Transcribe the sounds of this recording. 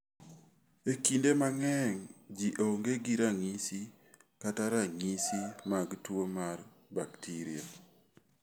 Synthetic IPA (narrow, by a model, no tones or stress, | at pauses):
ekindemaŋɛŋd͡ʒiʔoŋɡeɡiɾaŋisi | kataɾaŋisimaɡtwomar | baktʰiɾia̰